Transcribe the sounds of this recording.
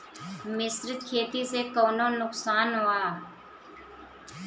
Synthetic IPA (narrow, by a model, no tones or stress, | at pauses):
mɪsɾkʰeːt̪isekɔːnonʊksaːnɦoːaː